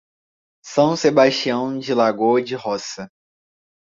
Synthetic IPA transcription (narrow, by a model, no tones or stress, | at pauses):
sɐ̃w̃sebaʃt͡ʃiɐ̃w̃d͡ʒɪlaɡod͡ʒɪhɔsɐ